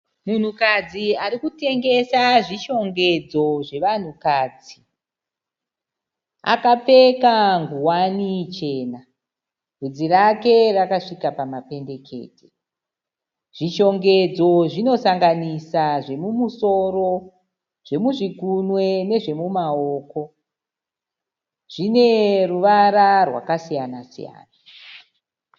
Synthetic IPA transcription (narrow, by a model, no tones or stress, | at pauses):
mun̤ukad͡ziaɾikute̞ŋɡe̞saʐiʃo̞ŋɡe̞d͡zo̞ʐe̞ʋan̤ukaːd͡zi | a̰kap͡fe̞kaŋɡuwanit͡ʃe̞ːna | rud͡zirake̞rakaʂikapamape̞nde̞kʰe̞̰ːte | ʐ̥iʃo̞ŋɡe̞d͡zo̞ʐino̞saŋɡanisaʐe̞mumuso̞ro̞ | ʐ̥e̞muʐikunwe̞ne̞ʐe̞mumaoːko̞ | ʐ̥ine̞ruʋaɾarwa̰kasijanasḭja̰ːna